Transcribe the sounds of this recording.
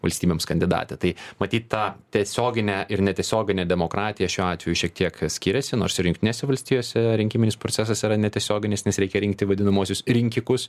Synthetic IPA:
ʋɐlʲsʲt̪ʲiːbʲeːmskɐnʲd̪ʲɪd̪ɑ̰ːt̪ʲɛt̪ɐɪmɐt̪ʲiːt̪t̪ɑːt̪ʲiɛsʲoːɡʲɪnʲɛʔɪɾnʲɛt̪ʲiɛsʲoːɡʲɪnʲɛd̪ʲɛmoːkɾɑːt̪ʲɪjɛʃʲuːɑːt̪ʲʋʲɛjuʃʲiɛkt̪ʲiɛksʲkʲiːɾʲɛsʲɪno̰ːɾsɪɾjʊŋkt̪ʲɪnʲeːsʲɛʋɐlʲsʲt̪ʲiːjoːsʲɛɾʲɪŋʲkʲɪmʲɪnʲɪspɾot͡s̪ʲæs̬ɐsiɾɐnʲɛt̪ʲiɛsʲoːɡʲɪnʲɪsnʲɛsɾʲɛɪkʲɛɾʲɪŋk̚t̪ʲɪʋɐd̪ʲɪnɐmuɔsʲʊsɾʲɪŋʲkʲɪkʊs

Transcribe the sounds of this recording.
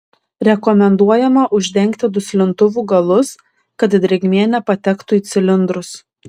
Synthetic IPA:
ɾʲɛkɔmʲɛnd̪uɔjɛmɐʔʊʒʲd̪ʲɛŋʲkt̪ʲɪd̪ʊsʲlʲɪnt̪ʊʋuːɡɐlˠʊs | kɐt̪d̪ʲɾʲɛɡʲmʲiːnʲɛpɐt̪ʲɛkt̪uiːt̪sʲɪlʲɪnd̪ɾʊs

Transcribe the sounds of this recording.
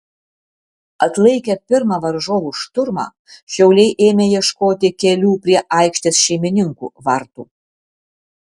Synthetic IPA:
ɐt̪lˠɐɪkʲɛpʲɪɾmɑʋɐɾʒoːʋuʃt̪ʊɾmɑ̰ː | ʃʲɛʊlʲɛɪʔeːmʲejiɛʃkoːt̪ʲɪkʲɛlʲuːpʲɾʲiɛʔɑˑɪkʃʲt̪ʲesʃʲɛɪmʲɪnʲɪŋkṵːʋɐɾt̪ṵː

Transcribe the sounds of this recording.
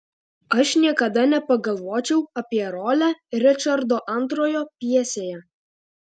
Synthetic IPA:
ɐʃnʲiɛkɐd̪ɐnʲɛpɐɡɐlˠʋoːt͡ʃʲɛʊɐpʲiɛɾoːlʲæɾʲɪt͡ʃʲɐɾd̪oːʔɐnt̪ɾoːjoːpʲiɛsʲeːjɛ

